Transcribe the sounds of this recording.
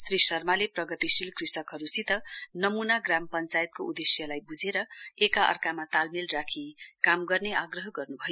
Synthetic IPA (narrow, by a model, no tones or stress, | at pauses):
srisʌrmaleprʌɡʌt̪isilkrisʌkɦʌɾusit̪ʌnʌmunaɡrampʌnt͡sajet̪̚koud̪esjʌlajbud͡zʱeɾʌekaʔʌ̰rkamat̪almilrakʰikamɡʌrneaɡrʌɦʌɡʌrnubʱʌjo